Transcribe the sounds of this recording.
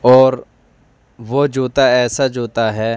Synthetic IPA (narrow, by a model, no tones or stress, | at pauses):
ɔːɾ | ʋod͡ʒoːt̪aɛːsad͡ʒoːt̪aɦɛː